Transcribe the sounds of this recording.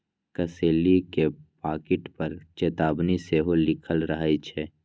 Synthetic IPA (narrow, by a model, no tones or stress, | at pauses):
kəseːlikepaːkɪʈpəɾt͡ʃeːt̪aːbniseɦolɪkʰəlɾəɦit͡ʃʰɛː